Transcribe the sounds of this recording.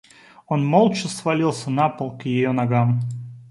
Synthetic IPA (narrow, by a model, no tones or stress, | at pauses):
onmolˠt͡ʃɪsvɐlʲilˠsʲənapəlˠkjɪjonɐɡam